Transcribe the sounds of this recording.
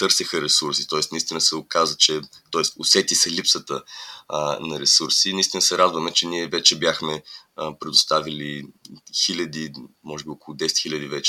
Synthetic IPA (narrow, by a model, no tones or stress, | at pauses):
t̪ɤɾsixəɾɛsuɾsit̪ɔɛsnɐist̪inəsɛokazət͡ʃɛt̪ɔɛst̪osɛt̪isɐlipsət̪ə | nɐɾɛsuɾsinəist̪inəsɛɾad̪vəmɛt͡ʃɛniɛvɛt͡ʃɛbjaxmɛəpɾɛd̪ʊst̪avilixilʲɐd̪imɔʒɛbiɔkʊlˠʊd̪ɛsɛ̥t̪xilʲɐd̪ivɛt͡ʃɛ̥